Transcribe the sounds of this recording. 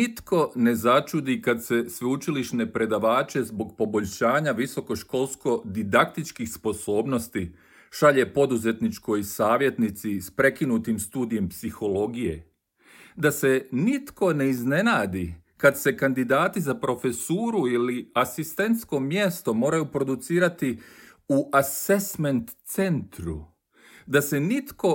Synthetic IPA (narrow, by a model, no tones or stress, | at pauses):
nit̪ko̞ne̞zat͡ʃud̪ikad̪se̞sʋeut͡ʃiliʃne̞pɾe̞d̪aʋaːt͡ʃe̞zbo̞ɡpo̞bo̞ʎʲʃaːɲaʋiso̞ko̞ʃko̞ːlˠsko̞d̪id̪akt̪it͡ʃkixspo̞so̞ːbno̞st̪i | ʃaʎe̞po̞d̪uze̞t̪nit͡ʃko̞jsaːʋje̞t̪nit̪sispɾe̞kinut̪imst̪uːd̪ije̞mpsixo̞lo̞ɡije̞ | d̪ase̞nit̪ko̞ne̞izne̞naːd̪i | kad̪se̞kand̪id̪aːt̪izapɾo̞fe̞suːɾuiliasist̪e̞nt̪sko̞mje̞st̪o̞mo̞ːɾajupɾo̞d̪ut̪siːɾat̪i | uʔase̞sme̞nt̪se̞nt̪ɾṵ | d̪ase̞nit̪ko̞